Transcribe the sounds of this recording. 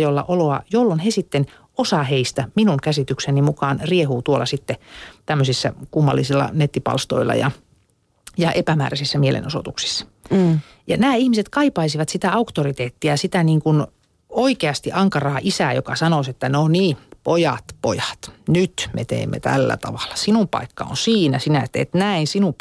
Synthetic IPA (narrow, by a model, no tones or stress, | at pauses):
jolːɑ̰ʔoloɑjolːonhesit̪ːen | osɑːheist̪æminuŋkæsit̪yksenimukɑːnriehuːt̪uolːˑɑsit̪ːet̪æmːøsisːæ̰kumːɑ̰lːisilːɑ̰net̪ːipɑ̰lst̪o̰ilːɑ̰jɑ̰ | jɑʔepæmæ̰ːræsisːæmielḛnoso̰t̪uksi̥sːɑ̥ | jɑnæːihmiset̪kɑipɑisiʋɑt̪sit̪æɑukt̪orit̪eːt̪ːiɑsit̪æniːŋkun | oikeɑst̪iʔɑŋkɑrɑːʔisæːjokɑsɑnoset̪ːæneonniːpojɑ̰t̪pojɑ̥t̪nyt̪mḛt̪ḛːmːḛt̪æ̰lːæ̰t̪ɑ̰ʋɑ̥l̥ːɑ̥sinumpɑ̰ikːɑ̰o̰nsiːnæsinæet̪ːḛt̪næinsinu